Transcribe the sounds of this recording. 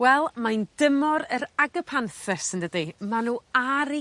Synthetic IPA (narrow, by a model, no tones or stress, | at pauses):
wɛlˠmajnd̥əmɔɾəɾaɡəpʰanθəsəndədimanuːaɾi